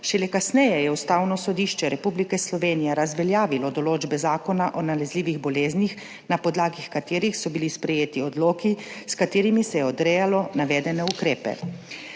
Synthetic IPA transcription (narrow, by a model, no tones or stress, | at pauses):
ʃɛlɛkasnɛjɛjɛust̪aːwnɔsɔd̪iʃt͡ʃɛɾɛpublikɛslɔʋeːnijɛɾazʋɛljaːʋilɔd̪ɔloːd͡ʒbɛzaːkɔnaʔɔnalɛzliːʋiɣbɔleːznix | napɔd̪laːɡixkat̪eːɾixsɔbilispɾɛjeːt̪iɔd̪loːkiskat̪eːɾimisɛjɛɔd̪ɾɛːjalɔnaʋɛːd̪ɛnɛukɾeːpɛ̰